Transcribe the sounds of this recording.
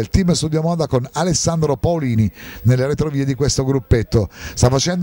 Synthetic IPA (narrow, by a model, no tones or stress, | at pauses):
ilt̪imːst̪ud̪jomɔːd̪akonalesːand̪ɾopaoliːninelːeɾet̪ɾoviːed̪ikwest̪oɡɾupːet̪ːost̪afːat͡ʃɛnd̪